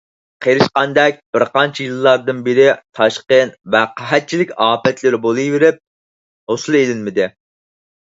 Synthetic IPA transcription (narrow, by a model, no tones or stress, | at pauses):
qʰeɾɪʃqɑnd̪ɛk̚ʲb̥ɪɾqɑnt͡ʃʰijɨlˠːɑɾd̪ɨnbɪɾɪt̪ʰɑʃqənvɛqʰəɦæt̪̚t͡ʃʰilɪkʲɑːpɛt̪lɪɾɪbolˠɨjveɾɪp̚ | hosɨlˠelɪnmɪd̪ɪ